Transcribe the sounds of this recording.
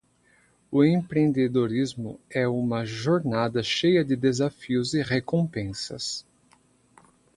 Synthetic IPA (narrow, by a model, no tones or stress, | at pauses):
ʊẽpɾẽnd̪ed̪oɾizmʊ̰ɛũmɐʒoɾnad̪ɐʃejɐd̪ɪd̪ezafiʊzɪʁekõpẽsɐ̰s